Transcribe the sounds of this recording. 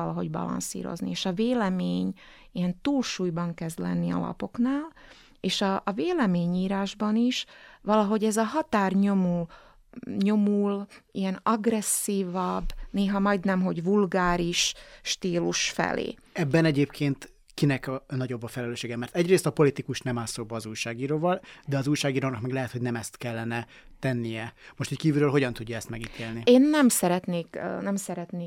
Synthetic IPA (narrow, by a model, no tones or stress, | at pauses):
ɒlɒɦo̞̰ɟbɒ̰lɒ̰nsḭːɾo̞̰znḭeːʃɒveːlɛmeːɲ | ijɛnt̪uːlʃuːjbɒŋkɛzd̪lɛ̰nːiɒ̰lɒ̰po̞knaːl | eːʃɒʔːveːlɛmeːɲiːɾaːʒbɒniʃvɒlɒɦo̞ɟɛzɒɦɒt̪aːrɲomu | ɲo̞mulijɛnɒɡrɛsːiːvɒbneːɦɒmɒjd̪nɛmɦo̞ɟvulɡaːɾiʃʃt̪iːluʃfɛ̰lḛː | ɛbːɛnɛɟeːpkʰeːnt̪ | kinɛknɒɟo̞bːɒfɛlɛløːʃeːɡɛmɛrt̪ɛɟreːst̪ɒpo̞lit̪ikuʃnɛmaːsoːbɒːzuːjʃaːɡiːɾoːvɒld̪ɛɒzuːjʃaːɡiːɾoːnɒkmɛɡlɛɦɛt̪hoɟnɛmɛst̪kɛlːɛnɛ | t̪ɛnːijɛmoʃt̪ickiːvyɾøːlɦo̞ɟɒnt̪uɟːɒɛst̪mɛɡit̪ʰeːlnieːnːɛmsɛɾɛt̪neːknɛmsɛɾɛt̪neː